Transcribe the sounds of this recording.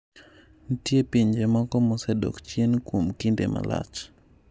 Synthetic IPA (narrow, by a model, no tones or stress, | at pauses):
n̩tjepiɲd͡ʒemɔkɔmɔsɛdɔ̰kt͡ʃjenkwomkindḛmʔa̰la̰t͡ʃ